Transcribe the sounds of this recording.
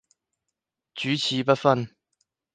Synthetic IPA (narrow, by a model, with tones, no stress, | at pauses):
t͡ɕyː˨˥t͡ɕʰiː˨˥˦pɐ˥t̚fɐ˥˧n